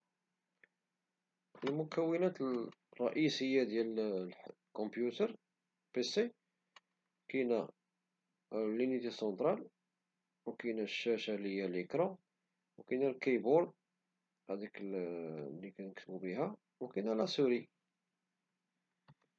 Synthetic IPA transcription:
əlmʊkæwːənæt̪ərˤːɑ̰ʔisəjːad̪jæl | kɔ̃mpjut̪əɾˤ | pese | kinæ | lːinit̪esɑnt̪ɾˤɑl | wkinæʃːæʃalijæləkɾɑ̃ | wkinælkæbʊɾ | æd̪ik | lːikænəkt̪əbubiɦæ | wkinælæsuɾi

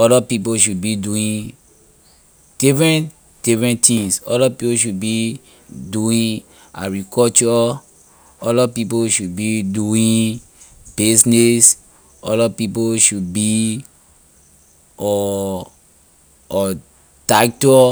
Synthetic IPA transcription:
ɔdapipoʃudbiduĩ | d̥ifɹɛ̃nt | d̥ifɹɛ̃ntĩŋsɔdapipoʃud̚bi | duĩ | a̰ɡɹikɔt͡ʃɔ | ɔlapip̬oʃud̚biduĩ | bisnis | ɔdapipoʃudbi | ɔ | ɔ | taktɔ

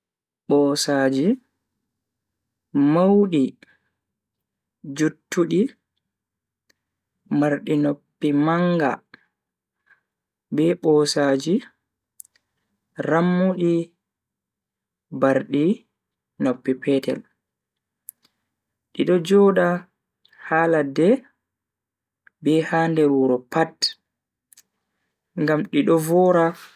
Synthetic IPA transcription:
ɓɔsaːd͡ʒi | mawɗi | d͡ʒutːuɗi | maɾɗinopːimaŋɡa̰ | bɛɓɔːsaːd͡ʒi | ramːuɗi | baɾɗi | nopːipɛːtɛ̰l | ɗiɗɔd͡ʒɔːɗa | haːladɛ | bɛhaːndɛɾuɾɔpat | ŋɡamɗiɗɔvɔːɾa

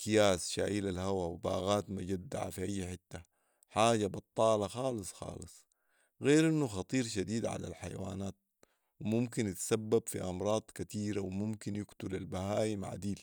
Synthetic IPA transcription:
kijaːsʃa̰ːʔiːlalhawawba̰ːɣaːt̪mad͡ʒad̪ːa̰ʕa̰fiʔajːħɪt̪ːa | ħaːɟabɑt̪ˤːɑːlɑxɑːlɨsˤxɑ̰ːlɨsˤ | ɣeːɾʔinːuxɑt̪ˤiːɾʃad̪iːd̪ʕa̰la̰lħaja̰wa̰ːnaːt̪̚ | wimumkinjɪt̪sabːabfḭʔɑmɾˤɑːd̪̥ˤkat̪iːɾawmumkinjʊkt̪ulalbahaːjimaʕa̰d̪iːl

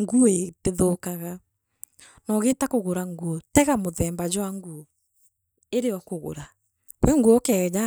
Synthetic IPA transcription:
ŋɡueteðokaɣa | nɔɣetakoɣoɾaŋɡuɔtɛɣamoðɛmbad͡ʒwaŋɡuɔ | eɾeɔkoɣo̰ɾa | kwɛŋɡuɔkɛd͡ʒa

